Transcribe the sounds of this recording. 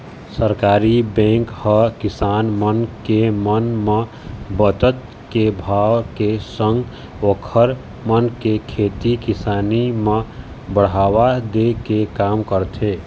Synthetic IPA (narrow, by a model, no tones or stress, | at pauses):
səɾkaːɾibɛ̃ːŋkhəkɪsaːnmənkemənme | bət̪ət̪ | kebʱaːwkesə̃ŋɡ | oːkʰəɾ | mənkekʰeːt̪ikɪsaːnimẽ | bəɽ̤aːwad̪ekekaːmkəɾt̪ʰeː